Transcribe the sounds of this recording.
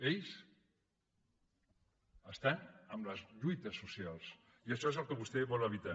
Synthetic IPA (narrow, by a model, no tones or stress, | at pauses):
eʎs | əst̪anəmləzʎujt̪əsːusialˠs | iəʃɔezəlˠkəβust̪ɛβɔləβit̪a